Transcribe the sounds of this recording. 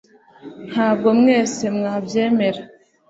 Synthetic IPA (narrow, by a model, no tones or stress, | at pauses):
habomŋɛsemŋabjɛmeɾ